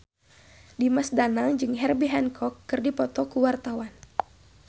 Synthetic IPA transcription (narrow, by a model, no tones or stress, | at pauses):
dimasdanaŋd͡ʒɨŋɦɛrbiɦɛnkʰɔkːɨrdipɔt̪ɔkuwart̪awan